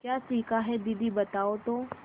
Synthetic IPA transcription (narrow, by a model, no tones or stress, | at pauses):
kjaːsiːkaɦɛd̪id̪ibɐt̪aːot̪oː